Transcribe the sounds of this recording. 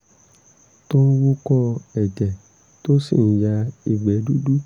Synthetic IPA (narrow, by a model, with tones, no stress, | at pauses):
to˦wu˦kɔ̃˦ɛ˨d͡ʒɛ˨ | to˦si˦˨n̩˨ja˧i˨ɡ͡bɛ˨˦du˦du˦